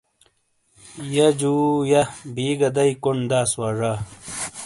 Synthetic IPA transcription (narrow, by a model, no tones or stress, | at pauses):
jɐd͡ʑuːjɐbiːɡɐd̪ɐikund̪aːswaʐa